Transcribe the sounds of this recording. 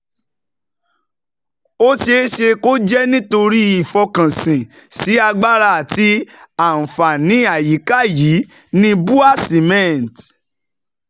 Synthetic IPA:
o˦ʃe˦ʃe˧ko˦d͡ʒɛ˦nĩ˦to˧ɾi˦i˦˨fɔ˧kã˨sĩ˨ | si˨˦a˧ɡ͡ba˦ɾa˧a˨ti˧˦a˨n̩˨fa˨nĩ˨˦a˦˨ji˨˦ka˦˨ji˨˦ | nĩ˦bu˦a˦˨si˨mɛ̃˦˨n˨t

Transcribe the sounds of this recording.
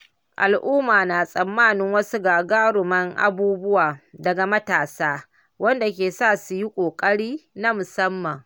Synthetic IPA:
ʔa˨lʔʊː˦maː˨naː˨sʼɐ˨mːaː˦˨nɪ˦ŋwɐ˦su˦ɡaː˨ɡaː˦ɽʊ˨mɐ˦ŋʔa̰˦buː˦bʊ˦waː˨dɐ˨ɡa˨mɐ˦taː˨saː˦ | wɐ˦nda˨k̬ʲeː˨saː˦˨su˨ji˦kʷʼoː˨kʼɐ˦ɽiː˦na˦mʊ˨sɐ˦mːɐ˨ŋ

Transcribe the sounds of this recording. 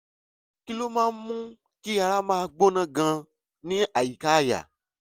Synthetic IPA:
ki˦lo˦mã˦mũ˦ | ki˦ja˨la˦mã˦˨ɡ͡bo˦nã˦ɡã˧ | nĩ˦ʔa˨ji˨ka˦ja̰˨

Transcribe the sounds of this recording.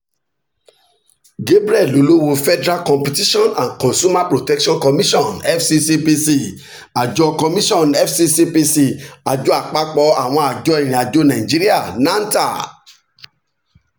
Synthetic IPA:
ɡe˦bɾi˦ɛ˦˨lo˨˦lo˦wo˧fɛ˦dɾa˦kɔ̃˨mpi˨ti˦ʃɔ̃˦nã˨nkɔ̃˨nsu˦ma˦pɾo˨tɛ˦kʃɔ̃˦nkɔ˧mĩ˦ʃɔ̃˦˨nɛ˦fsi˧si˧˦pi˧si˦˨ | a˨d͡ʒɔ˧kɔ˧mĩ˦ʃɔ̃˦˨nɛ˦fsi˧si˧pi˧si˧˨a˨d͡ʒo˨˦a˨k͡pa˦k͡pɔ˧˦a˦˨w̃ɔ̃˧a˨d͡ʒɔ˨˦ɛ˦˨ɾ̃ĩ˨a˨d͡ʒo˦nã˨ĩ˨d͡ʒi˦ɾi˦a˦˨nã˦n˦ta˦˨

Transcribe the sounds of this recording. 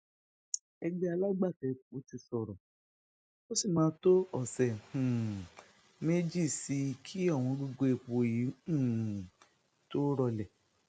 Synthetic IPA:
ɛ˧ɡ͡bɛ˦a˧la˦ɡ͡ba˦˨tɛ˨˦o˨˦ti˧sɔ˨ɾɔ˨ | o˦si˦˨mãː˨˦to˦ɔ˦˨sɛ˨hũ˨ | me˦d͡ʒi˦˨si˧kʰi˦ɔ˦˨w̃ɔ̃˧ɡo˧ɡo˧e˨k͡po˧ji˨˦ũ˦˨ | to˦ɾɔ˧lɛ˨

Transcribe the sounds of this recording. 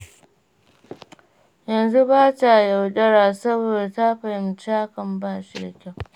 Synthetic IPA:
jɐ˨nzu˦baː˦ta˨ja˨wɗɐ˦ɽaː˨sɐ˦boː˨da˨taː˦ɸɐ˨jɪ˦mt͡ʃaː˦kɐ˨mbaː˦˨ʃi˦˨da̰˨kʲa˦˨w

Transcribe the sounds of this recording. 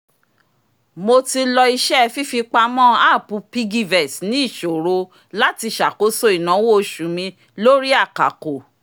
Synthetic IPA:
mo˧ti˧lɔ˧i˧ʃɛ˦˧fi˦fi˧k͡pa˧mɔ̃˦˨a˦˨pũ˧pi˦ɡi˦vɛ˨snĩ˦i˦˨ʃo˨ɾo˧ | la˦ti˧ʃa˨ko˨˦so˦i˨nã˨˦wo˦˧ʃu˨mĩ˧ | lo˦ɾi˦a˦˨ka̰˨ko˨

